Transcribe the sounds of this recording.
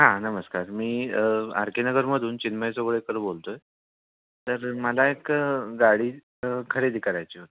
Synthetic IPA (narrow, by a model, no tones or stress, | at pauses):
ɦãnəməskaɾmiːa̰ɾkenəɡəɾməd̪ʱuːnt͡ɕinməjsoɡɭekəɾbolt̪oj | t̪əɾməlaekɡaɽiː | kʰəɾed̪ikʰaɾajt͡ɕiːɦot̪e̥